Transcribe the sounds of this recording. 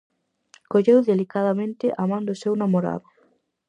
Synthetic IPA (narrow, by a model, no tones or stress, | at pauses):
koʎewðelikaðamẽnt̪ɪʔamãnd̪ʊsewnamoɾa̰ðʊ